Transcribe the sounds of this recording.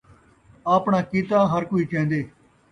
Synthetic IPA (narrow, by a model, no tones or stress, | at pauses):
aːpɳaːkiːt̪aːɦəɾkoːiːt͡ʃɛ̃ːnd̪eː